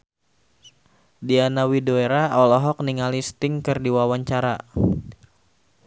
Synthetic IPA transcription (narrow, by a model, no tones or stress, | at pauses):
dianawidoeɾaɔlɔɦɔk̚niŋalist̪ɪŋkɨrdiwawaɲt͡ʃaɾa